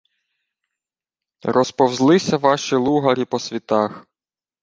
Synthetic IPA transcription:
rɔspɔwzlˠɪsʲɐʋɑʃilˠuɦɐɾʲipɔsʲʋʲit̪ɑx

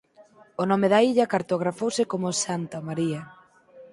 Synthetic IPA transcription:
onɔmeðɐiʎɐkaɾt̪oɣ̞ɾafowsɪkomʊsant̪ɐmaɾiɐ

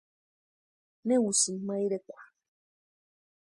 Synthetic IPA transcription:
newusim̩maiɾekʷa

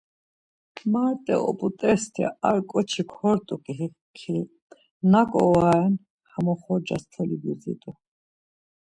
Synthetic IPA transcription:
maɾt̪ʼɛ̰ɔ̰pʼut̪ʼɛst̪ʰɛ̰aɾkʼɔt͡ʃʰikʰɔɾt̪ʼukʼi | kʰil | nakʼɔwaɛn | hamɔχɔd͡ʒast̪ʰɛlibuzḭt̪ʼu

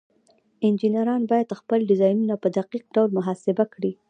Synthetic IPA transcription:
ɪnd͡ʒinaɾɑnbɑjad̪xpəlɖɪzɑjnunapəd̪aqiq̚ɖawlmʊɦɑsɪbakɽi

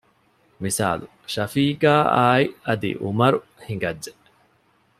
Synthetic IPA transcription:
misa̰ːlu | ʃɐfiːɡaːaːiɐd̪ḭʔumɐɾu | hiŋɡɐdːe

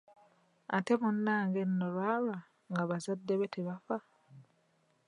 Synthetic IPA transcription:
a̰temunːaːŋɡenːolwaːla | ŋɡaβazadːeβetʰeβafa

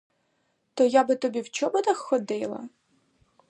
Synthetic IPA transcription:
t̪ɔjabɪt̪ɔbʲiwt͡ʃɔbɔd̪ɐxːɔd̪ɪlˠɐ̰

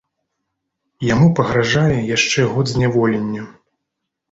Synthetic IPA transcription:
jamupɐɣɾaʐajɛjaʂt͡ʂɛɣɔd̪zʲnʲavɔlʲɛnʲːɐ

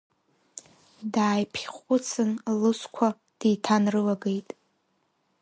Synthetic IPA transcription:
daːjpʰχʷʼʊt͡sʰɨnlɨskʷʰa | d̥ijtʰanrɨlaɡejtʼ

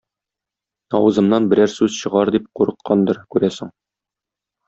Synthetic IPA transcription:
ɒwɤ̆zɤ̆mnɑnbɘ̆ɾæɾsʉz̥ɕɤ̆ʁɑɾd̪ip̚quɾɤ̆qːɑnd̪ɤɾkʉɾæsɘŋ

